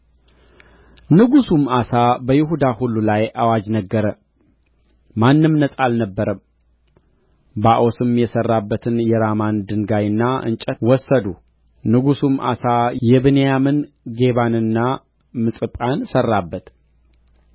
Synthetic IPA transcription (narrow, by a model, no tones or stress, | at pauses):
nɨɡusumasabəjɪɦud̪ahulːulajʔawad͡ʒnəɡːəɾə | manːɨmnəsʼalnəbːəɾəm | baʔo̞sɨmjɛsərːabːət̪ʰɨnjɛɾamand̪ɨŋɡajɨnːaɨ̰nt͡ʃʼɛwɔsːəd̪u | nɨɡusumʔa̰sajɛβɨnejamɨn | ɡe̞βanɨnːa | mɨsʼɨpʼansərːabːət̪